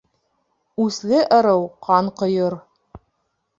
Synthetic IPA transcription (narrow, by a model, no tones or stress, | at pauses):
ʉslɘʔɤ̆ɾɤwqʰɑɴqŏjɤɾ